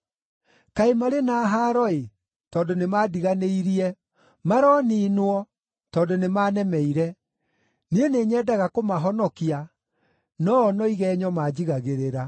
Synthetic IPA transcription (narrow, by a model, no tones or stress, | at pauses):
kaemaɾenaːɦaːɾɔe | tɔːndonemaːdiɣaneiɾiɛ | maɾɔniːnwɔ | tɔːndonemaːnɛmɛiɾɛ | nieneːɲɛːdaɣakomaɦɔnɔkia | nɔːnɔiɣɛɲɔmaːd͡ʑiɣaɣeɾeɾa